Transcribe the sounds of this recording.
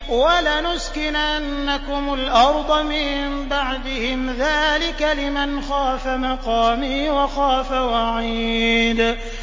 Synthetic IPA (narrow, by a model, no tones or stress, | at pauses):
walanʊskɪnʔanːakʊmʊlʔɑɾˤd̪ˤɑmɪmbaʕd̪ɪhɪmðaːlɪkalɪmanxaːfamɑqɑːmiːwaxaːfawaʕiːd̪